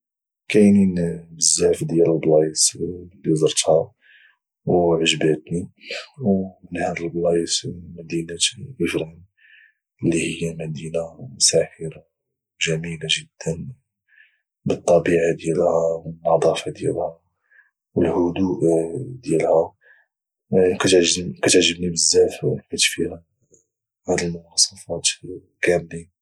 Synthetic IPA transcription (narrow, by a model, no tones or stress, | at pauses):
kæjninbəzːaʕfd̪jæləlblɑjəslːizəɾˤt̪ha | wʕəʒbæt̪niwmənhæd̪əlblɑjsmæd̪inæʔəfɾin | əlːihəjːæmæd̪inamʊsæħəɾa | ʒæmilaʒəd̪ːən | bət̪ˤːɑbiʕad̪jælhæwənɑd̪ˤɑfɑd̪jæ̰lhæ | wəlhʊd̪uʔd̪jælhæ | kæt̪ʕʒkæt̪ʕʒːəbnibəzːæfmæt̪fihæ | hæd̪əlmʊwɑsˤɑfɑt̪ | kæmli